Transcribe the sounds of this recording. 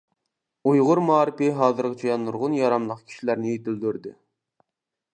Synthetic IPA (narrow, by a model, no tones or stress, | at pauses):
ujʁʊɾmuɑːɾɪpɪɦɑːzɨɾqʲɪt͡ʃʰɑjɑnːuɾʁʊnjɑɾɑmlˠəqkʲʰi̥ʃilæɾnɪjet̪ɪld̪yɾd̪ɪ